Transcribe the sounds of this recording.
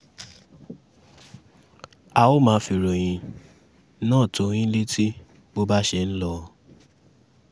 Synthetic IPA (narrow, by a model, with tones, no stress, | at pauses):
a˨wo˦mãː˨˦fi˧˨ɾo˨j̃ĩ˧ | nãː˦˨to˨˦j̃ĩ˦le˦tʰi˦ | bo˦ba˦ʃe˧n̩˦lɔ˧